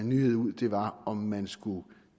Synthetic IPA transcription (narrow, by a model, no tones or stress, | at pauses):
nːyːhe̝ð̰ˠuð̰ˠd̥e̝ʋɑ̈ɒ̽mːænsɡ̥u